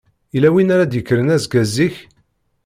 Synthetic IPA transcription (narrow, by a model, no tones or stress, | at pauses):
ilæwinaɾad̪jəkːəɾənæzɡæziç